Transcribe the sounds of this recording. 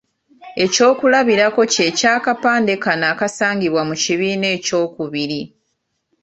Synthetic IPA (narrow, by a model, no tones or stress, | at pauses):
e̞co̞ːkulaβiɾako̞ce̞caːkapaːnde̞kanaːkasaːɲɟiβwamuciβiːne̞ːco̞ːkuβiɾi